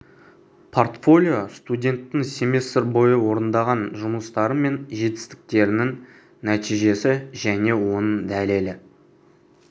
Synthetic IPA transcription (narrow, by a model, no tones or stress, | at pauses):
pʰo̞rt̪fo̞lʲijo̞st̪udʲe̞nt̪ːɪŋse̞mesɪɾbo̞jəwo̞ɾənd̪ɑʁɑnʒʊməst̪ɑɾəme̞nʒe̞t̪ɪ̥st̪ɪ̥k̚t̪e̞ɾɪnɪŋ | næt̪ijʒe̞sɪʒæne̞wo̞nəɴd̪æle̞lɪ